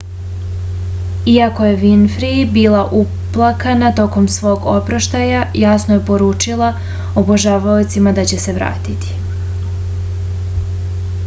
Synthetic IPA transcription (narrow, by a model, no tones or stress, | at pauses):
iako̞je̞ʋinfɾibiːlˠaʔu | plˠakanat̪o̞ko̞msʋo̞ːɡo̞pɾaʃt̪ajajasnojepo̞ɾuːt͡ʃilˠa | oboʒaʋaot̪simad̪at͡ɕe̞se̞ʋɾa̰ːt̪it̪i̥